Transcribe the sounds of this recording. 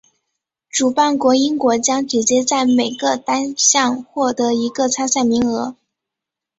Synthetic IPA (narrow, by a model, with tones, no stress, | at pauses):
ʈ͡ʂu˨˩pa˥˩nkwɔ˧˥i˥nkwɔ˧˥t͡ɕjɑ˥ŋt͡ɕi˨˩t͡ɕjɛ˥t͡sa˥˩ɪme˨˩ɪɡə˧t̪a˥nɕjɑ˥˧ŋxwɔ˥˩t̪ɤ˧˥i˧˥ɡə˧t͡sʰa˥nsa˥˩ɪmi˧˥ŋɤ˧˥